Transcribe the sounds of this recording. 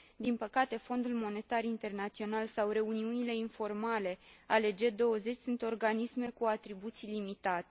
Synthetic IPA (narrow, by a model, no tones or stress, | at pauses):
d̪inpəkat̪e̞fo̞nd̪ulmo̞ne̞t̪arint̪e̞rnat̪sio̞nalsawre̞uniunile̞info̞rmale̞ale̞d͡ʒe̞d̪o̞wəze̞t͡ʃʲsunt̪o̞rɡanisme̞kuat̪ɾibut̪silimit̪at̪e